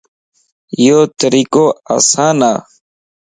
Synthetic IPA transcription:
joːt̪əɾiːkoːa̰ːsaːnaː

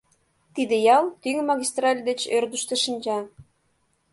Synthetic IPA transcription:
t̪id̪ĕjɑlt̪yŋmɑɣʲist̪rɑlʲd̪ĕt͡ɕørd̪uʃt̪ɤ̆ʃənʲd͡ʑɑ

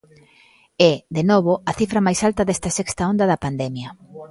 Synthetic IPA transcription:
ɛd̪enoβoɐθifɾɐmajsalt̪ɐðɛst̪ɐsɛkst̪ɐond̪ɐðɐpand̪ɛmjɐ

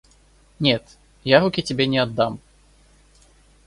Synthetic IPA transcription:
nʲɛt̪ | jaɾukʲitʲɪbʲɛnʲɛɐd̪ːam

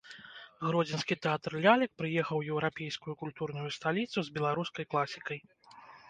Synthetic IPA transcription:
ɣɾɔd͡zʲinskʲit̪ɛat̪rlʲalʲɛk̚pɾɨjɛxɐwjɛwɾapʲejskujukulʲt̪urnujust̪alʲit̪suzbʲɛlˠaɾuskɐjklˠasʲikɐj

